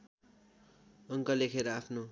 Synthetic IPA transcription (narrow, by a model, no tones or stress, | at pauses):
ʌŋkʌlekʰeɾʌapʰno